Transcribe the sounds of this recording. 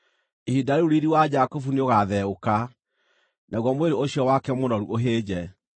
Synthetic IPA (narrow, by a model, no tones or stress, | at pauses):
ihidaɾuɾiɾiwad͡ʒakofuneoɣaðɛoka | nʔaɣwɔmweɾeoɕiɔwakɛmoɾɔɾṵʔoɦeːd͡ʑɛ